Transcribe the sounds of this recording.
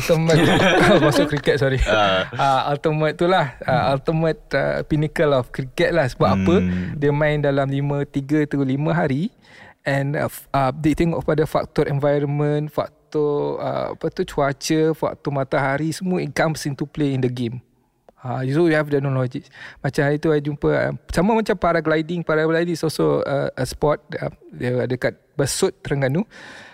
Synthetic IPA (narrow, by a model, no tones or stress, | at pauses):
alt̪əmə̃t̪masʊkːɾikɛt̪̚sɔɾiaalt̪əmə̃t̪̚ːulahəalt̪əmə̃t̪̚ə̰pinikəlɔfkɾikɛt̪̚lahsəbap̚apədɛmãɪndalamlimə̃t̪iɡət̪əɡulimə̃ɦaɾi | ʔɛ̃nadet̪ɛŋoʔkəpadafa̰k̚t̪ɔɾɛ̃nvajɾənmə̃nfa̰k̚t̪ɔə̰fakt̪ɔt͡ʃuat͡ʃəfa̰k̚t̪ɔmat̪aɦaɾisəmuəinkãmpsĩnt̪upleindəɡem | ajusowihɛfdɛk̚nɔlɔd͡ʒiksmat͡ʃamhaɾit̪uaad͡ʒumpəa̰samamat͡ʃampaɾaɡlajdiŋpaɾaɡlajdiŋsɔlsoəʔəspɔt̪̚ədəadakat̪̚bəsut̪̚ːəɾaŋanːu